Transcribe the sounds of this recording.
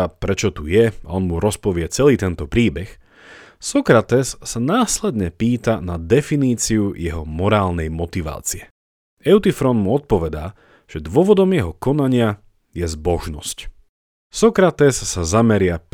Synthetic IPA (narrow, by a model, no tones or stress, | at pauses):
apɾɛt͡ʃɔt̪ujɛaɔnmuɾɔspɔʋɪɛt͡sɛliːt̪ɛnt̪ɔpɾiːbɛx | sɔkɾat̪ɛsːanaːslɛd̪ɲɛpiːt̪anad̪ɛfiniːt͡siujɛɦɔmɔɾaːlnɛjmɔt̪iʋa̰ːt͡siɛ | ɛʊt̪ifɾɔnmuɔt̪̚pɔʋɛd̪aː | ʒ̥ɛd̪ʋʊɔʋɔd̪ɔmjɛɦɔkɔnaɲɪa | jɛzbɔʒnɔsc | sɔkɾat̪ɛsːazamɛɾɪap